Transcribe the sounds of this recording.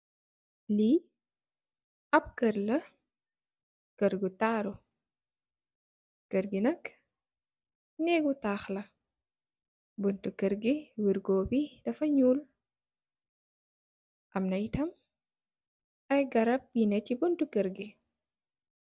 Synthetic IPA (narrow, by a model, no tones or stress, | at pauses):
li | ʔɐp̚kəɾlɐ | kəɾɡutaɾu | kəɾɡinɐk | nɛɡutaːxlɐ | buntukəɾɡiwiɾɡoːbidɐfɐɲuːl | ʔɐmnɐjtɐm | ʔɐjɡɐɾɐp̚jinɛtibuntukəɾɡi